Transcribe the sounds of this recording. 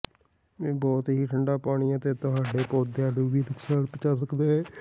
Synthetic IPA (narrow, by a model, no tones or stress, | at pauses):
bɔːt̪ɦiːʈʰəɳɖaːpaːɽiãːt̪eːt̪ʊɦaːɖeːpoːd̪eaːɖuːʋiːləksaːlpɪt͡ʃaːs̬əkd̪eːɛː